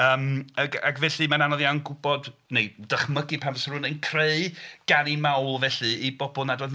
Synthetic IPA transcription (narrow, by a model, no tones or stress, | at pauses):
əːməɡa̰ɡvɛɬɨmananɔðjawnɡʊbɔdnejdəχməɡɨpʰansrʊnənkʰreɨɡ̥animawlˠvɛɬɨibɔbɔlˠnadoːd